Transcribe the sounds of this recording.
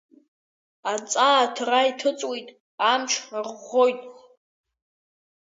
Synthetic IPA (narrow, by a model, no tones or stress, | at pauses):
at͡sʼaːtʰraitʰɨt͡sʼwejtʼ | amʈ͡ʂʰrʁojtʼ